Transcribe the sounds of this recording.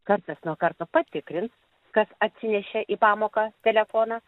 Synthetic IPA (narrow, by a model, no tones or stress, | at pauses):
kɐrt̪ɐsnuɔkɐɾt̪oːpɐt̪ʲɪkɾʲɪns | kɐsɐt̪ʲsʲɪnʲɛʃʲɛʔiːpɑːmoːkɑːt̪ʲɛlʲɛfoːnɑː